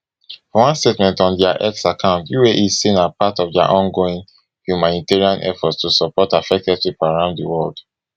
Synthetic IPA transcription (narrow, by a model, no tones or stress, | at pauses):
fɔwãnstetmɛ̃ntɔ̃ndɛaʔɛksakʰãʊ̃ntjueʔizsĩnapatɔvda̰ʔɔ̃nɡoĩn | hjumãniteɹiãnʔɛ̰fɔtstusɔpɔtafɛk̚tɛd̚tipaɹãʊ̃nddəwɜld̥